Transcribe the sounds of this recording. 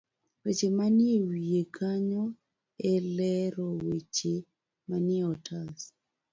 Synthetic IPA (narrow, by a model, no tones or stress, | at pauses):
wet͡ʃemanɪewiekʰaɲɔ | elɛɾɔwet͡ʃe | manɪeɔtʰas